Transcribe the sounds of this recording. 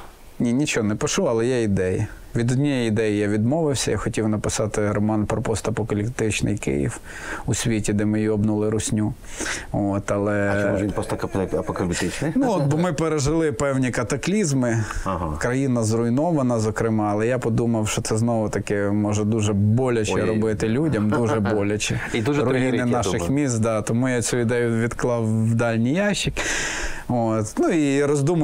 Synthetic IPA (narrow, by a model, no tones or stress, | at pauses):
nʲinʲit͡ʃɔɦɔnɛpɪʃuɐlˠɛjaid̪ɛjḭ | ʋʲid̪ɔd̪ʲnʲɛjɛid̪ɛjɪjaʋʲid̪mɔʋɪwsʲɐ̰jaxɔtʲiwnɐpɪsɑt̪ɪɾɔmɑnpɾɔpɔst̪ɐpɔkɐlʲipt̪ɪt͡ʃnɪ̰jkɪ̰jḭw | usʲʋʲitʲid̪ɛmɪjjiɔbnulˠɪɾʊsʲnʲu | ot̪ɐlˠɛɔʒʲinpɾɔst̪ɐkɐɐpɔkɐlʲɪpt̪ɪt͡ʃnɪjnuɔt̪̚bɔmɪpeɾeʒɪlˠɪpɛwnʲikɐt̪ɐklʲizmɪɦkɾɐjinɐzɾʊjnɔʋɐnɐzɔkɾɪmɑːlˠɛjapɔd̪umɐwʃɔt̪sɛznɔʋʊt̪ɐkɪmɔʒɛd̪uʒɛbɔlʲɐt͡ʃɛɾɔbɪt̪ɪlʲudʲɐmd̪uʒɛbɔlʲɐt͡ʃɪid̪uʒɾʊjinɪnɑʃɪxmʲist̪d̪ɑt̪ɔmujat͡sʲuʋʲid̪ɛjʊʋʲid̪klˠɑwːd̪ɑlʲnʲijɑʃɪk | ot̪nuiɾɔzd̪umɐ